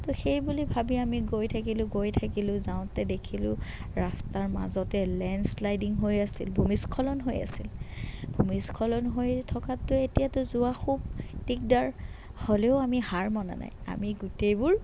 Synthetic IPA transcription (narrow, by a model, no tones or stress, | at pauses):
tɔxejbulibʱabiamiɡojtʰak̬ilʊ̃ɡojtʰakilʊ̃zaʊ̃tɛdekʰilʊ̰̃ | ɹastaɹma̰zɔtɛlɛnslajdiŋɦojasḭlbʱumiskʰɔlɔnɦoja̰silbʱumiskʰɔlɔnɦojtʰɔkatːʊetijatʊzʊaxub̚tik̚daɹ | holɛʊamihaɹmɔna̰na̰ja̰miɡutejbʊɹ